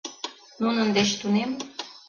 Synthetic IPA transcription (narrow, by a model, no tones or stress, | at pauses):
nunənd̪eʃt̪unem